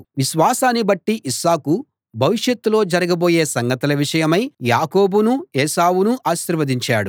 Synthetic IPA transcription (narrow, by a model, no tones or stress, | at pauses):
ʋiʃʋaːsaːnːibɐʈːiʔiʃaːku | bʱɐʋiʂjɐt̪ːulo̞ːd͡ʒɐɾɐɡɐbo̞ːje̞ːsɐŋɡɐt̪ɐlɐʋiʂɐjɐmɐjjaːko̞ːbunuɛːʃaːwunuʔaːʃiɾʋɐd̪iɲt͡ʃaːɽu